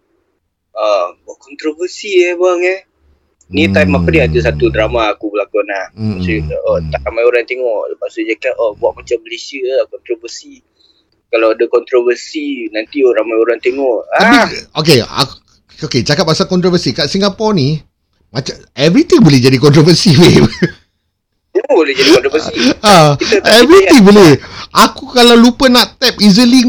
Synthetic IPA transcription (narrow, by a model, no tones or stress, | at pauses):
abuaʔkɔnt̪ɾovəsiɛbaŋɛ | nit̪ajmapadiat̪us̬at̪udɾamaːkubəlakunahsuʔɔt̪aʔɾamajoɾaŋt̪eŋɔʔləpaʔsud͡ʒakaɔbuaʔ̚mat͡ʃambəlesiəlakɔnt̪ɾovəsi | kalawadakɔnt̪ɾovərsinant̪ioɾamajoɾaŋt̪eŋɔʔ̪abiok̬ea̰ | oket͡ʃakap̚asakɔnt̪ɾovəsikaʔsiŋɡapɔni | mat͡ʃa | ɛvɾit̪iŋbolɛhd͡ʒadikɔnt̪ɾovəsiwe | bolɛhd͡ʒadikɔ̃nt̪ɾovəsiaiɛvɾit̪iŋbolɛakukalawlupənaʔt̪ɛp̚izəli